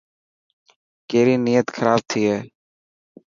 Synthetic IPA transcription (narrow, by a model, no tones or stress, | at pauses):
keːɾiːniːjət̪xʰəɾaːb̚t̪ʰiːɦɛː